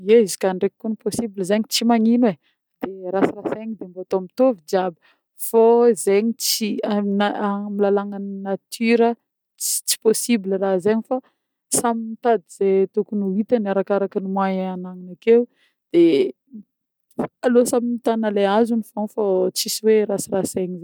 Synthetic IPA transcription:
eizi̥kaɳɖ͡ʐekikːuniposibilizeɲit͡simaɲinwe | d̪̥eɾasirasaɲid̪embat̪oamit̪ovid͡ʒabə | foizeɲit͡sianamilalaŋannat̪ʰyɾə | i̥t͡si̥posibilərazeɲifa | saminit̪ad̪iz̥et̪ukunuit̪anaɾakaɾakənimwajanaŋinakew | d̪̥e | alosaminit̪anəleazunifonfot͡sisiweɾasiraseɲize

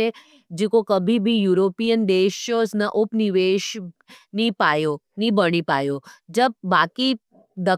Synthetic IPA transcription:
e | d͡ʒekokəbʱibʱijuɾopijənd̪eʃjosnaʔopniʋeʃnipajonibəɽ̃ipajod͡ʒəb̚ːaki | d̪ə

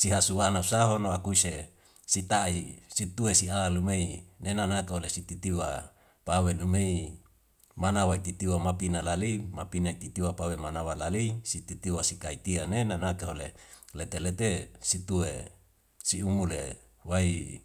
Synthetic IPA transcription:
siɦasuwanausaɦonoakuse | sit̪aisit̪uesiaalumeinenanakeɦolesit̪it̪iwa | pawelumei | manawait̪it̪iwamapinalalimapinait̪it̪iwapawemanawalalisit̪it̪iwasikait̪ianenanakeɦolelet̪elet̪esit̪ue | siumulḛ | wai

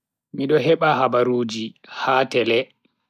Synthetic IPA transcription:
miɗɔɦɛɓaɦabaɾuːd͡ʒihaːtɛlɛ

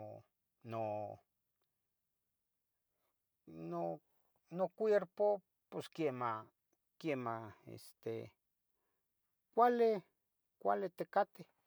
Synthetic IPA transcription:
no | no | nokʷeɾpo | poskema | kjemaḛst̪ḛ | kʷale | kʷa̰let̪ekat̪e

